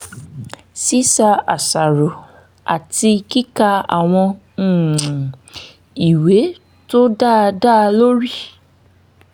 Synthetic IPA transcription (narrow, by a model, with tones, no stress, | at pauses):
si˦sa˧a˨sa˨ɾo˨ | a̰˨ti˧ki˦ka˧a̰˨w̃ɔ̃˧˦˨ | i˨we˨˦ | to˦da˦˨da˦˨lo˦ɾi˦˨